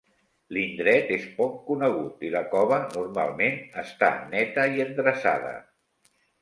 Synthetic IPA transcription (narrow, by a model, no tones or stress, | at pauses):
lind̪ɾɛt̪espɔkːunəɣ̞ut̪iləkɔβənurma̰lˠmenəst̪a̰nɛt̪əiənd̪ɾəsa̰ðə̰